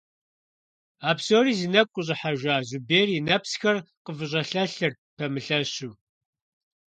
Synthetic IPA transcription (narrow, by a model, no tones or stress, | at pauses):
aːpsoːriːzinɐkʷʼʊɕ̬ʼɪħaʒʷaːʑʊbeːrinɐpsxɐrqəvɨɕ̬ʼɐɬɐɬɨr | pʰɐmɨɬɐɕuː